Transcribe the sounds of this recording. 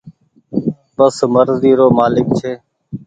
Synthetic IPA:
bəsməɾziːɾoːmaːlɪkt͡ʃʰeː

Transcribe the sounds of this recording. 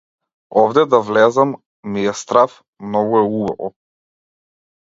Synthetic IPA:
ɔvd̪ɛd̪avlɛzamː | iɛst̪ɾaf | mnɔɡuɛuba̰vɔ̰

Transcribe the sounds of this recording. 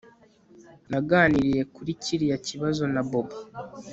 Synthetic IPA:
naɡaːniɾije̞kuɾiciɾijaciβazo̞naboba

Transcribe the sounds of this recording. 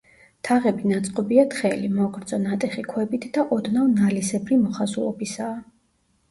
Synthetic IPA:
t̪ʰaʁɛbinat̪sʼqʼɔbiat̪ʰχɛlimɔɡɾd̪zɔnat̪ʼɛχikʰwɛbit̪ʰd̪aʔɔd̪navnalisɛbɾimɔχazulˠɔ̰bisaː

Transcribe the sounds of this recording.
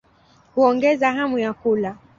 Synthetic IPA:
huɔŋɡɛzaɦamujakula

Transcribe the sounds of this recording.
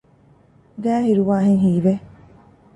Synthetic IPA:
d̪æːɦiɾuʋaːɦeŋɦiːʋe

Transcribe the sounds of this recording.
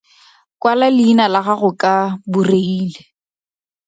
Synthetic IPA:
kʼwalalɪinalaɣaɣʊkʼabureiːle

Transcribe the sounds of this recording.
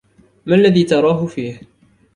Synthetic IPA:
malːaðiːt̪ɑɾˤɑːɦʊfiːh

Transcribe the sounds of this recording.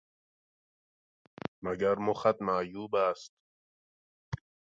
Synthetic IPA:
maɡaɾmoxat̪majuːbast̪̚

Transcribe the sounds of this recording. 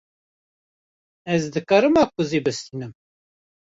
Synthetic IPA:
ɛzd̪ɨkɑːɾɨmɑːkʰʊzibɨst̪iːnɨm

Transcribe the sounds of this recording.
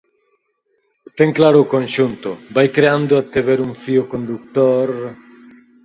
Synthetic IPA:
t̪eŋklaɾʊːkõnʃunt̪ʊbajkɾeand̪ʊat̪eβeɾuŋfiokõnd̪uk̚t̪oɾ

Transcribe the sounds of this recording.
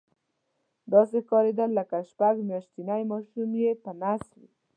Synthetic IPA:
d̪ɑsexkɑɾed̪əlːəkaʃpaɡmjɑʃt̪inajmɑʃumjepənaswḭ

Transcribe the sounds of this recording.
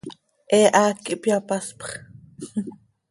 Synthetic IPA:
ʔɛːʔaːkiʔpjapaspχ

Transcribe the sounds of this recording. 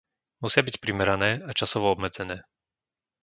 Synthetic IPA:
musɪabicpɾimɛɾanɛːat͡ʃasɔʋɔɔbmɛd͡zɛnɛː

